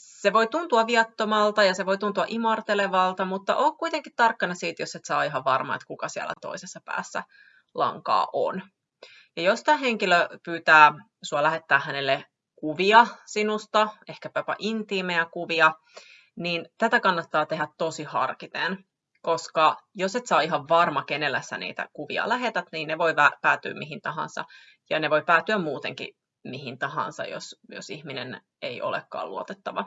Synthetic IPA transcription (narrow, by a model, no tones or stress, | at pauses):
seʋo̞jt̪unt̪uɑʋiɑt̪ːomɑlt̪ɑjɑseʋojt̪unt̪uɑʔimɑrt̪eleʋɑlt̪ɑmut̪ːɑʔoːkkuit̪eŋkit̪t̪ɑrkːɑnɑsiːt̪josːet̪sɑ̰ːiɦɑʋʋɑrmɑ̰ḛt̪kukɑsiæ̰læ̰t̪o̰isesːɑpæ̰ːsːæ̰ | lɑ̰ŋkɑ̰ːʔo̰n | jɑjost̪æːɦeŋkiløpyːt̪æː | suɑlæɦet̪ːæːhænelːe | kuʋiɑsinust̪ɑehkæpæpæ̰ʔint̪imeækuʋiɑ | niːnt̪æt̪ækɑnːɑt̪ːɑːt̪eɦæt̪t̪osihɑ̰rkit̪en | koskɑjoset̪sɑːiɦɑʋʋɑrmɑkenelːæsːæ̰nḭːt̪æ̰kuʋḭɑ̰læɦet̪æt̪niːnneʋo̞jʋæpæːt̪y̰ːmmiɦint̪ɑɦɑ̰nsɑ̰ | jɑ̰neʋo̞jpæːt̪yæmmuːt̪eŋkḭ | miɦint̪ɑhɑ̰nsɑ̰jo̰sjo̰sihminen | eiʔo̰lḛkːɑ̰ːlṵot̪et̪ːɑʋɑ